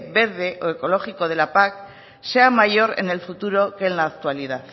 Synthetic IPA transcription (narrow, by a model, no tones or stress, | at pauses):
βe̞ɾð̞e̞ʔoe̞ko̞lo̞xiko̞ð̞e̞lapak | se̞amaʝo̞ɾe̞̰ne̞lfut̪uɾo̞kenlaːk̚t̪ualið̞að